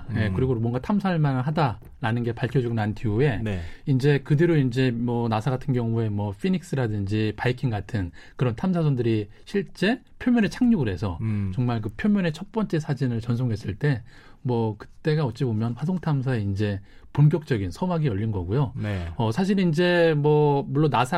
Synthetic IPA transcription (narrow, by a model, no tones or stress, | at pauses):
je̞kɯɾiɡomwʌŋɡatʰamsʰaɯɭmanɭɦada | ɾanɯnɡe̞paɭkʰjʌd͡ʑuɡonanɯntiue̞nind͡ʑe̞kɯdeɾoind͡ʑe̞mwʌnasʰaɡatʰɯnɡjʌŋue̞mwʌpʰinik̚s͈ɯɾadɯnd͡ʑipajikʰiŋɡatʰɯn | kɯɾʌntʰamsʰas̬ʰondɯɾi | ɕʰiɭt͡ɕ͈e̞ | pʰjomjʌnet͡ɕʰaŋɲuɡɯɾɦe̞sʰʌt͡ɕʌŋmaɭk̬ɯpʰjomjʌne̞t͡ɕʰʌt̚p͈ʌnt͡ɕ͈e̞sʰad͡ʑinɯɭt͡ɕʌns̬ʰoŋɦe̞s͈ɯɭt͈e̞ | mwʌkɯ̥t͈e̞ɡaʌt͡ɕ͈ibomjʌnɸwas̬ʰoŋtʰams̬ʰae̞ind͡ʑe̞ponk̬jʌk̚t͡ɕ͈ʌɡinsʰʌmaɡiʌʎːinɡʌɡujoʌsʰaɕ̬ʰiɾind͡ʑe̞mwʌmuɭːonasʰa